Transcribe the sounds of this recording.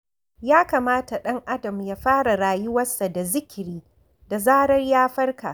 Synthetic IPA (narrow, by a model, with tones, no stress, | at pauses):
jaː˦kaː˨maː˦ta˨ɗɐ˦ŋʔa˦dɐ˨mjaː˦ɸaː˦ɽa˨ɽaː˨jʊ˦wɐ˦sːa˨da˨zɪ˦kʲɪ˨ɾiː˦ | da˨zaː˦ɽɐ˦rjaː˦ɸɐ˦rka̰˨